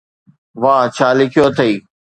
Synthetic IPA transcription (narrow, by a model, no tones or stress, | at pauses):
ʋaːt͡ʃʰaːlɪkʰijoːt̪ʰəiː